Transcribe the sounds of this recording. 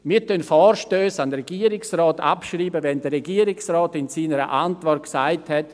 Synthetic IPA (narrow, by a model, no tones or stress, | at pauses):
mɪːtʰœnfɔːɾʃtøːsandəɾɛɡiːəɾɪksrɔːta̰pʃriːbəʋɛndəɾɛɡiːəɾɪksrɔːtɪnsiːnəɾə̰ʔantvɔrt̚ksaɪthɛt